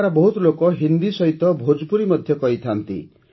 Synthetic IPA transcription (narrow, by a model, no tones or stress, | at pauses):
ɾɔbɔɦut̪lokɔɦind̪isɔɦit̪ɔbʱod͡ʒpuɾimɔd̪ʱjɔkɔɦit̪ʰant̪ḭ